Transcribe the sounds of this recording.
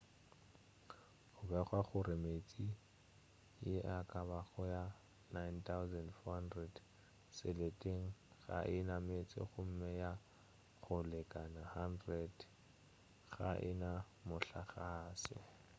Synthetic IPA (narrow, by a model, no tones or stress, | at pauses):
χʊbɛχwaχʊrɪmet͡sʼi | jɪakʼabaɣɔja | najnt̪ʰawzɛndfɔhandrɛd | sɪletʼeŋ̩ɣa̰ʔɪnamet͡sʼɪ̰χʊm̩mɛja | χʊlɛkʼanahandrɛd | ɣa̰ʔɪ̰na | mʊɬaχaːsɪ̰